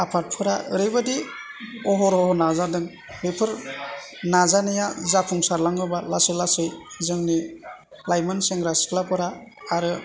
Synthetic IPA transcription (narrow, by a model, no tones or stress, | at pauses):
apʰaɾt̚pʰɯɾaɯɾɯbadi | ɔɦɔɾɔɦɔnazadɯŋ | ɾepʰɯɾ | nazanɯjazapʰɔŋsaɾlaŋɯbalasɯlasɯjzɯŋni | lajmɯnseŋɾaskʰlapɯɾaː | ɾɯ